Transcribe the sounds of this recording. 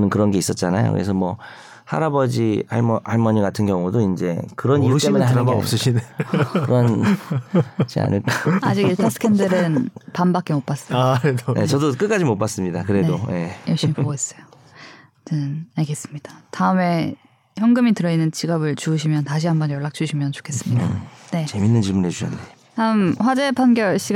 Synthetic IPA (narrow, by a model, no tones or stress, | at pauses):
nɯnkɯɾʌnɡe̞is͈ʌt̚t͡ɕ͈anajo̰kɯ̰ɾesʰʌmwʌ | ha̰ɾabʌd͡ʑia̰ɭʔaɭmʌɲiɡatʰɯnɡjʌŋudoind͡ʑe̞kɯɾʌnijut͈emuneɭaḛs͈ɯɕʰinekɯɾʌn | t͡ɕea̰nɯk͈aad͡ʑiɡiɭtʰasʰɯ̥kʰendɯɾɯnpambak͈emop͈as͈ʌjednʔe̞̰t͡ɕʌdok͈ɯk͈ad͡ʑimop͈as͈ɯmɲidakɯɾe̞doje̞jʌɭɕimipoɡois͈ʌjo | tɯnaɭɡe̞s͈ɯmɲid̥ḁtaɯme̞ | çjʌŋɡɯmitɯɾʌinːɯnt͡ɕiɡʌbɯɭt͡ɕuːɕ̬ʰimjʌntaɕ̬ʰiɦambʌnjʌɭːak̚t͡ɕ͈uɕʰimjʌnt͡ɕo̥kʰe̞s͈ɯmɲidne̞t͡ɕe̞minːɯnt͡ɕiɭmune̞t͡ɕuɕʰʌ̰nde | taɯmɸwad͡ʑe̞pʰanɡjʌɭɕ͈ʰiɡ